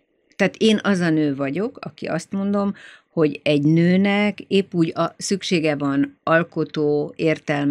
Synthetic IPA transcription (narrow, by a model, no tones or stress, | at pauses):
t̪aːt̪eːnɒzɒnøːvɒɟo̞kɒ̰kḭʔɒst̪mo̞nd̪o̞mho̞ɟɛɟnøːnɛkeːpːuːɟɒsykʃeːɡɛvɒnɒlko̞t̪oːeːrt̪ɛlm